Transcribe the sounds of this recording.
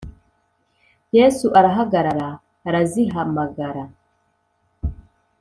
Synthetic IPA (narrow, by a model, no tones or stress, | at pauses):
jesuʔaɾaɦaɡaɾaɾaː | ɾaziɦamaɡaɾa